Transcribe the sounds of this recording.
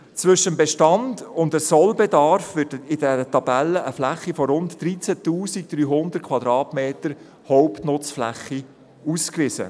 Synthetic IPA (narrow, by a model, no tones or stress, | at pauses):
t͡sʋʏʃəmbɛʃtɑndʊndəsɔlbɛdɑɾfʋɪtɪdɛɾətɑbælːəʔəflæχːifɔɾʊntːɾit͡sæt̪uːsik̚d̥̪ɾyːɦʊndətkʰwɑd̪ɾɑːtmeːtəɾ | hɔwptnʊt͡sflæ̰χːi | uːskvɪsə̰